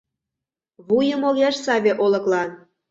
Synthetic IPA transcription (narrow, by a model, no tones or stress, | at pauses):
βujɤ̆molˠjɑʃsɑvʲeʔolˠɤ̆klˠɑn